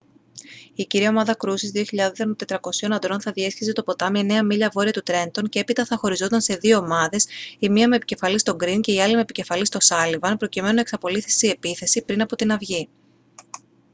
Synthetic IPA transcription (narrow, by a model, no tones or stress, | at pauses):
iciɾio̞mɐðɐkɾusizðioçiʎɐðonsenot̪e̞t̪ɾɐko̞sio̞nɐnd̪ɾo̞nθɐðie̞scise̞t̪o̞po̞t̪ɐmɐne̞ɐmiʎɐvo̞ɾiɐt̪ut̪ɾe̞nt̪o̞nce̞e̞pit̪ɐθɐxo̞ɾizot̪ɐnse̞ðio̞ːmɐðe̞simiɐme̞pice̞fɐlist̪o̞ɡɾince̞iɐlimepice̞fɐlist̪o̞sɐlivɐnpɾo̞cime̞nunɐeksɐpo̞liθi̥seie̞piθe̞sipɾinɐpo̞t̪inɐvʝi